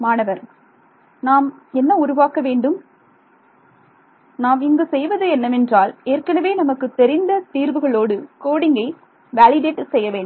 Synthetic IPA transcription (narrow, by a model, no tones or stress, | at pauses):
maːnɐʋɐɾ | naːmɛnːɐʊɾʊʋaːkɐʋeːɳɖɯm | naːmɪŋɡɯsɛjʋɐðɯɛnːɐmɛndraːleːrkɐnɐʋeːnɐmɐkːɯt̪ːɛɾɪnd̪ɐt̪iːɾʋɯɣɐɭoːɽɯkoːɽɪŋɡɐɪ | ʋaːlɪɖeːʈːsɛjːɐʋeːɳm